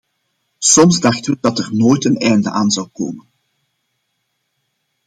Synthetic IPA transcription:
sɔmzdɑxtəʋədɑtərnoːjtənɛjndə̰ʔaːnzɑwko̰ːmən

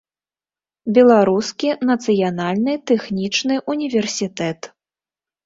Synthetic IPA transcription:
bʲɛlˠaɾuskʲinɐt̪sɨjanalʲnɨt̪ɛxnʲit͡ʂnɨʔunʲivʲɛrsʲit̪ɛt̪

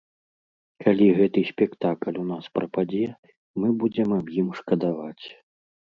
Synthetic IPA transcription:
kʰalʲiɣɛt̪ɨsʲpʲɛkt̪aklʲunaspɾɐpad͡zʲɛ | mɨbud͡zʲɛmɐbjimʂkɐd̪avat͡sʲ

